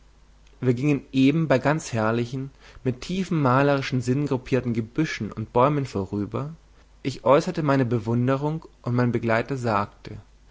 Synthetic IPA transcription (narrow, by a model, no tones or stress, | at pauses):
viːɐɡɪŋənʔeːbm̩baɪɡant͡shɛɐlɪçn̩mɪtʰːiːfn̩maːləʁ̞ɪʃn̩zɪnɡʁʊpʰiːɐtn̩ɡəbʏʃn̩ʊnt̚b̥ɔʏmənfoːʁyːbɐ | ʔɪçʔɔʏsɐtəmaɪnəbəvʊndəʁ̞ʊŋʔʊntmaɪnbəɡlaɪtɐzaːktʰə